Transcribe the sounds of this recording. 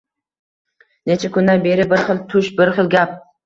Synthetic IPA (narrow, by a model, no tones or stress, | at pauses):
net͡ʃʰakʲʊnd̪anbe̞ɾɪbɪɾχɨlˠt̪ʰʊʃbɪɾχɨlˠɡʲap̚